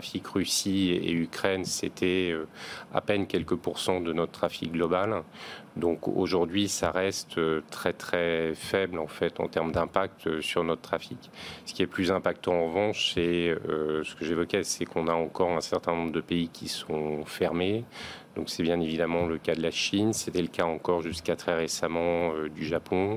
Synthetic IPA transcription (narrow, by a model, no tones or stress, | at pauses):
χafikʁysiḛykχɛnset̪ʰɛøa̰pɛnkʲɛlkəpuʁsɑ̃d̪ənɔt̪t̪χafik̚ɡlɔbald̪ɔ̃ko̰ʒuʁd̪ɥisaʁɛst̪øt̪χɛt̪χɛfɛblɑ̃fɛt̪ɑ̰̃t̪ɛʁmd̪ɛ̃pak̚t̪øsyʁnɔt̪ət̪χafiksə̥kʲiɛplyzɛ̃pak̚t̪ɑ̃ɑ̃ʁəvɑ̃ʃsɛøsə̥kəʒevɔkʲɛsɛkɔ̃naɑ̃kɔʁɛ̃sɛʁt̪ɛ̃nɔ̃bʁəd̪əpeikʲʰisɔ̃fɛʁmed̪ɔ̃ksɛbjɛ̃nevid̪amɑ̃ləkad̪əlaʃinset̪ɛləkaɑ̃kɔʁʒyskat̪χɛʁesamɑ̃ød̪yʒapʰɔ̃